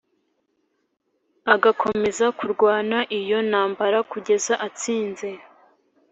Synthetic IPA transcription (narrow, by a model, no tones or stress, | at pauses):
aɡakʰo̞me̞zakuɾɡwaːnaʔijo̞naːmbaɾakuɟe̞zaʔat͡siːnze̞